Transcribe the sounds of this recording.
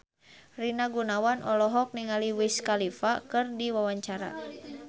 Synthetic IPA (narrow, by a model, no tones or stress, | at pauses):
rinaɡunawanʔɔlɔɦɔk̚niŋaliwiskalifakɨrdiwawaɲt͡ʃaɾa̰